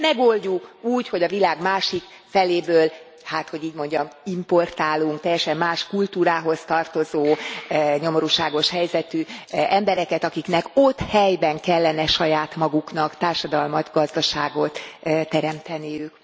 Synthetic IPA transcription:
mɛɡo̞lɟukuːcho̞ɟɒvilaːɡmaːʃik | fɛleːbøːl | haːt̪ho̞ɟiːɟmo̞ɲɟɒmimpo̞rt̪aːluŋk̚t̪ɛjːɛʃɛmːaːʃkult̪uːɾaːɦo̞st̪ɒrt̪o̞zoːɲo̞moɾuːʃaːɡo̞ʃhɛjzɛt̪yʔɛmbɛɾɛkɛt̪ɒkiknɛko̞t̪ːhɛjbɛŋkɛlːɛnɛʃɒjaːt̪mɒɡuknɒkt̪aːrʃɒd̪ɒlmɒt̪ɡɒzd̪ɒʃaːɡo̞t̪t̪ːɛɾɛmt̪ɛnijyk

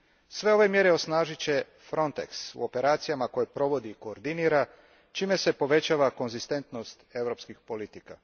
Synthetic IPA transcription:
sʋe̞o̞ʋe̞mje̞ɾeo̞snaːʒit͡ɕe̞ | fɾo̞nt̪ḛksṵo̞pe̞ɾaːt̪sijamako̞jepɾo̞ʋo̞d̪iːko̞ːɾd̪iniːɾa | t͡ʃiːme̞se̞po̞ʋe̞t͡ɕaːʋako̞nzist̪e̞nt̪no̞st̪e̞vɾo̞pskixpo̞lit̪ika̰

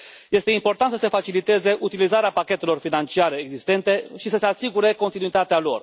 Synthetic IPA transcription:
je̞st̪e̞impo̞rt̪ant̪səse̞fat͡ʃilit̪e̞ze̞ʔut̪ilizaɾeapakʲe̞t̪e̞lo̞rfinant͡ʃiaɾe̞ːɡzist̪e̞nt̪e̞ʃisəse̞asiɡuɾe̞ko̞nt̪inuit̪at̪ealo̞̰r

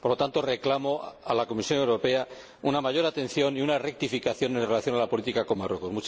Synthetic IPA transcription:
poɾlot̪ant̪o̞re̞klamo̞alako̞misjo̞ne̞wɾo̞pe̞a | unamaʝo̞ɾat̪e̞nθjo̞niunare̞k̚t̪ifikaθjo̞nenrelaθjo̞nalapo̞lit̪ikako̞marwe̞ko̞smut͡ʃ

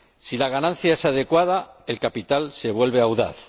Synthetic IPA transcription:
silaɣanãn̟θjae̞sað̞e̞kwað̞ae̞lkapit̪alse̞β̞we̞lβe̞awða̰θ

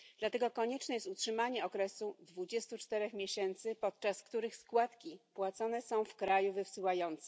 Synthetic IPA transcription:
d̪lat̪ɛɡɔkɔɲɛt͡ʂnɛjɛst̪utʂɘmaɲɛɔkɾɛsud̪vud͡ʑɛst̪ut͡ʂt̪ɛɾɛxmʲjeɕɛnt̪sɘpɔt̪̚t͡ʂaskt̪uɾɘxskwat̪kʲipwat̪sɔnɛsɔ̃w̃fkɾajuvɘfsɘwajɔnt̪sɛ

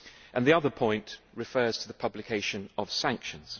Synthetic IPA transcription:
ʔə̃nðiʌðəpʰɔ̃ɪ̃nʔɹɪfɜːz̥tʰəðəpʰʌblɪkʰeɪʃə̃nəv̥sæ̃ŋkʃə̃nz̥

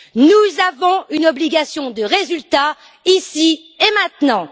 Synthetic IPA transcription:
nuzavɔ̃ynɔbliɡʲasjɔ̃d̪əʁezylt̪a | isi | emɛ̃t̪nɑ̃

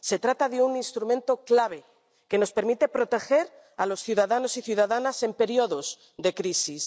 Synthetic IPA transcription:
se̞t̪ɾat̪aðeuninst̪ɾumẽnt̪o̞klaβ̞e̞ | ke̞no̞spe̞ɾmit̪e̞pɾo̞t̪e̞xe̞ɾ | alo̞sθjuðaðano̞siθjuðaðanase̞mpe̞ɾioðo̞z | ðe̞kɾisis

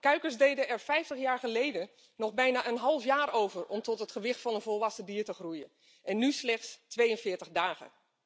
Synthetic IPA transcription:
kœɥkəɹzdejdəɛɹfɛjftəχjaːɹχəlejdən | nɔχbɛjnaːʔənɦɑlˠfjaːɹowvəɹɔmtɔtɦətχəʋɪxtfɑnənvɔlˠʋɑsədiːɹtəxrujən | ʔɛnːyslɛχtstʋejənvɪːɹtəχdaːχə̰

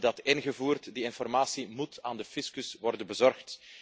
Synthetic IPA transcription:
dɑtɪnɣəvuːrtdiɪnfɔrmaːsimutʰaːndəfɪskəsʋɔrdənbəzɔrxt

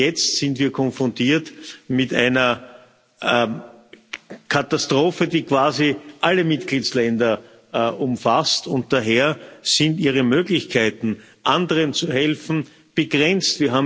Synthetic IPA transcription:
jɛt͡stsɪntviːɐkʰɔnfʁɔ̃ntʰiːɐtmɪta̰ɪnɐ | kʰatastʁ̥oːfədiːkv̥aːziʔaləmɪt̚ɡ̥liːtslɛndɐ | ʔʊmfastʊnt̚d̥aɦeːɐz̥ɪntiːʁəmøːɡlɪçkʰaɪtn̩ | ʔandəʁənt͡suɦɛlfn̩ | b̥əɡʁɛnt͡stv̥iːɐɦaːbm

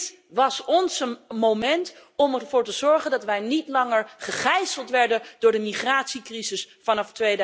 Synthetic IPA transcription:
ʋɑsɔnsəmowmɛntɔmɛvʊːɹtəzɔɹχəndɑtʋɛjnitlɑŋəɹχəχɛjsəlˠtʋɛɹdəndʊːɹdəmiχraːtsikrizɪsfɑnɑftʋejd

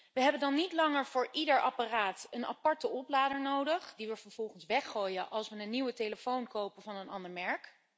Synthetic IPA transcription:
ʋəɦɛbəndɑnːitlɑŋəɹvʊːɹʔidəɹʔɑparaːtəna̰pɑɹtəɔplaːdəɹnowdəχdiʋəvəɹv̥ɔlˠχənsʋɛχoːjəʔɑlˠsʋənənːiwəteləfownkowpəvɑnənɑndəɹmɛɹk

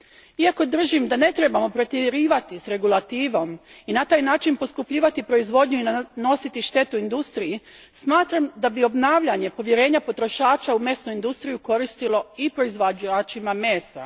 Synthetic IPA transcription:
iako̞d̪r̩ʒimd̪ane̞t̪ɾe̞bamo̞pɾo̞t̪eɾiːʋat̪isɾe̞ɡulˠat̪iːʋo̞minat̪aːjnaːt͡ʃinpo̞skupʎiːʋat̪ipɾo̞izʋo̞d̪ɲuino̞sit̪iʃt̪e̞t̪uind̪ust̪ɾiji | smaːt̪ɾamd̪abio̞bnaːʋʎaɲe̞po̞ʋjeɾe̞ːɲapo̞t̪ɾo̞ʃaːt͡ʃaumje̞snuind̪ust̪ɾijuko̞ɾist̪ilo̞ipɾo̞izʋaat͡ʃimame̞ːst̪a̰

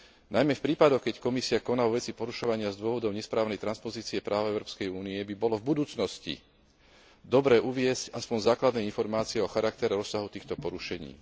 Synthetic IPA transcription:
najmɛfpɾiːpad̪ɔxkɛckɔmisiakɔnaʋɔʋɛt͡sipɔɾuʃɔʋaɲɪazd̪ʊɔʋɔd̪ɔʊɲɛspɾaːʊnɛjt̪ɾanspɔziːt͡siɛpɾʔaːʊɛʊɾɔːpskɛjuːniɛbibɔlɔvbud̪uːt͡snɔscḭ | d̪ɔbɾɛːʔuʋɪɛscaspɔnzaːklad̪nɛinfɔɾmaːt͡siɛɔxaɾak̚t̪ɛɾɛɾɔsːaɦut̪iːxt̪ɔpɔɾuʃɛɲḭː

